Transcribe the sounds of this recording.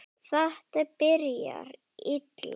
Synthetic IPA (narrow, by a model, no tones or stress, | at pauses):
θaht̪apɪɾja̰ɾ | it̪l